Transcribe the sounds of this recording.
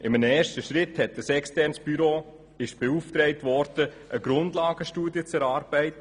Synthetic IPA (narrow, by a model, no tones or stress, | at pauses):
ʔɪmənəɛːʃtəʃɾɪthɛt̚d̥əsɛkstɛɾnsb̥yɾoː | ɪʃb̥euftɾɛɪtvɔɾd̥ə | ʔəɡɾʊndlaːɡ̥əʃtuːdjət͡sɛɾɑːɾb̥ɛɪtə